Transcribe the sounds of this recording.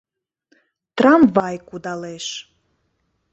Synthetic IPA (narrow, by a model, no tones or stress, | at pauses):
t̪rampvajkud̪aleʃ